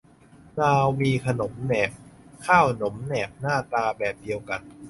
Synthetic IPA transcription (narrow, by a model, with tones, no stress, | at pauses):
naː˧miː˧kʰa˧no˩˦mnɛː˨˩p̚kʰːaː˥˩wno˩˦mnɛː˨˩p̚naː˥˩t̪aː˧bɛː˨˩p̚di˧əwka˨˩n